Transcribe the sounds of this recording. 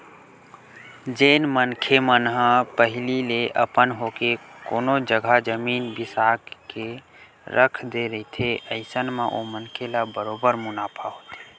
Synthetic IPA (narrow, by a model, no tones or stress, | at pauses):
d͡ʒeːnmənkʰemənɦə̃pəɦlileʔə̰pənɦokekoːnod͡ʒəɡʱad͡ʒəminbɪsakke | ɾəkʰd̪eɾəɦit̪ʰeʔəɪsənmẽʔo̰mənkʰelabəɾobəɾmʊnaːpʰaɦoːt̪e